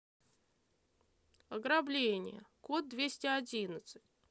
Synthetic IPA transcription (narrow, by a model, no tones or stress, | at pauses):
ɐɡɾablʲenʲɪ̰jə̰kot̪̚d̪vʲesʲtʲɪɐdʲinət̪sɨ̥tʲ